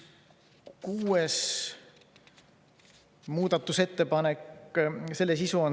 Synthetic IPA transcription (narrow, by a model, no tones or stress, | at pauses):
kuːes | muːd̪̥ɑt̪ːˑuse̞t̪ːe̞pɑnekːse̞lːes̬isuon